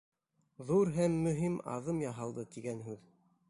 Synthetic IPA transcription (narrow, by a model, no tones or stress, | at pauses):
ðuɾɦæmːɵ̆ɦimɑ̰ðɤmjɑɦɑlˠd̪ɤt̪iɡænɦʉð